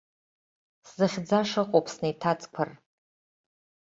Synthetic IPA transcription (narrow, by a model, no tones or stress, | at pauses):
szɨχʲd͡zaʂɨqʼopʰʼsnejtʰat͡sʼkʷʰər